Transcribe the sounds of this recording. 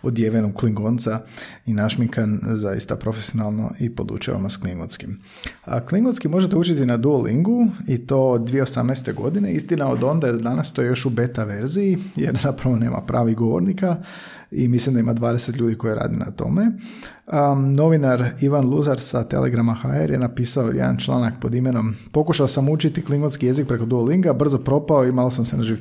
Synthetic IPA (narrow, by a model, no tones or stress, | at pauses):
od̪jeʋenukliŋɡont̪sainaʃmiŋkanzajḭst̪apɾo̞fesionalˠno̞̰ʔipo̞d̪ṵt͡ʃa̰ʋa̰nasklˠiŋɡonskim | klˠiŋɡonskimoʒet̪eut͡ʃit̪inad̪uolḭŋɡuit̪o̞d̚d̪ʋije̞osamnajst̪e̞ɡo̞d̪ine̞ist̪inaod̪o̞nd̪aed̪ad̪anast̪ojejo̞ʃube̞t̪aʋe̞ɾzijijḛɾzapɾaʋo̞ne̞̰ːmʔa̰pɾaːʋiɣɡo̞ʋo̰ɾnika | ḭmislimd̪aimad̪ʋaːd̪e̞set̪ʎʲuːd̪iko̞jiɾa̰ːd̪ina̰t̪o̰me̞ | no̞ʋinaɾiʋanlˠuzaɾsat̪e̞̰lˠʔḛɡɾamaxaḛɾjenapiːsaojḛd̪a̰nt͡ʃlˠa̰ːnakpo̞d̪imeno̞mpo̞kuʃaosamut͡ʃit̪iklˠiŋɡonskije̞zik̚pɾe̞ko̞d̪uoliŋɡabr̩zo̞pɾo̞paoimalosamsenaʒiʋ